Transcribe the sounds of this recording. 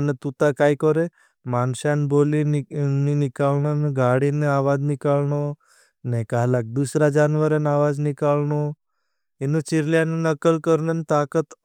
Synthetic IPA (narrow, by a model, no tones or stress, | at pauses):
ənet̪ut̪akaikɔɾe | manʃanboːlininikalnonɡaɽineaːʋad͡ʒnɪkalno | nekaːlak̚d̪usɾad͡ʒanʋəɾanaʋad͡ʒnikalno | enut͡ʃiɾljanunəkəlkəɾnant̪aːkət̪